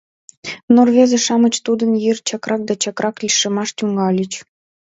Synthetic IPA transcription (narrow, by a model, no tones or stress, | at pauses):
norβʲezĕʃɑmə̆t͡ɕt̪ud̪ə̆njirt͡ɕɑkrɑk̚d̪ɑt͡ɕɑkrʔɑklʲiʃə̆mɑʃt̪ʲuŋɡɑlʲit͡ɕ